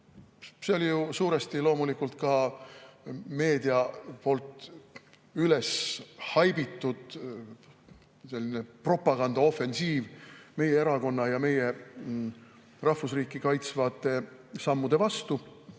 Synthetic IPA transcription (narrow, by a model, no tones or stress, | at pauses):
seo̞lijusuːɾe̞st̪ilo̞ːmulikult̪̚kɑ | me̞ːd̪̥iɑpo̞lt̪ˑ | yle̞shɑjbit̪ːud̪̥ | se̞lʲːinepro̞pːˑɑɡ̥ɑnd̪̥ɑo̞fe̞nsiːvme̞jeeɾɑko̞nːɑjɑme̞je̞ | rɑhfusriːkːˑikɑjt̪svɑːt̪ːˑe̞sɑmːud̪̥e̞vɑst̪u